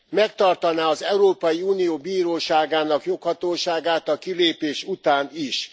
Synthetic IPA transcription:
mɛkt̪ɒrt̪ɒnaːɒzɛuɾoːpɒjiuːnijoːbiːɾoːʃaːɡaːnɒkjo̞khɒt̪oːʃaːɡaːt̪ɒkileːpeːʃut̪aːniʃ

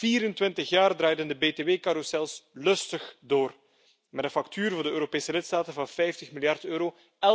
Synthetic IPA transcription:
v̥iːɾəntwɪntəxjaːrdraːjdəndəbeːteːweːkaɾusɛlˠslɵstəxdoːr | mɛdəfɑktʰyːrvʊrdəøːɾopeːsəlɪtstaːtənvɑnfɛjftəxmilˠjɑrtøːɾo | ɛ

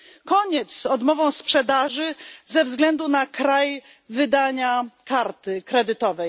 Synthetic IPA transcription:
kɔɲɛt̪sɔd̪mɔvɔ̃w̃spʂɛd̪aʐɘzɛvzɡlɛnd̪unakɾaj | vɘd̪aɲakaɾt̪ɘkɾɛd̪ɘt̪ɔvɛj

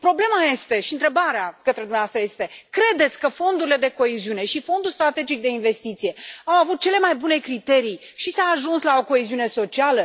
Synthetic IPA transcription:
pɾo̞ble̞maje̞st̪e̞ʃiɨnt̪ɾebaɾeakət̪ɾe̞d̪umneast̪ɾəjest̪e̞kɾe̞d̪e̞t̪sʲkəfo̞nd̪uɾile̞d̪e̞ko̞eziune̞ʃifo̞nd̪ulst̪ɾat̪e̞d͡ʒik̚d̪e̞inve̞st̪it̪sije̞awavut̪̚t͡ʃe̞le̞majbune̞kɾit̪e̞ɾij | ʃisaaʒunslao̞ko̞eziune̞so̞t͡ʃialə

